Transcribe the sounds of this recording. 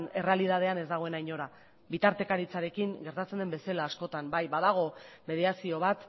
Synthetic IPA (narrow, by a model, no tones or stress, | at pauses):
ne̞re̞aliðað̞e̞ane̞zd̪aɣo̞e̞najɲo̞ɾa | bit̪aɾt̪e̞kaɾit͡saɾe̞kiŋɡe̞ɾt̪at͡send̪e̞mbe̞selaːsko̞t̪ambajbaðaɣ̞o̞me̞ð̞iasio̞β̞at̪